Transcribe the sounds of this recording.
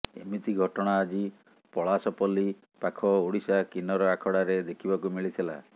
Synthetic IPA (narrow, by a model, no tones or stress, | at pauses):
ḛmit̪iɡʱɔʈɔɽ̃aːd͡ʒi | pɔɭasɔpɔli | pakʰɔoɽisakinɔɾɔakʰɔɽaɾed̪ekʰibakumiɭit̪ʰila̰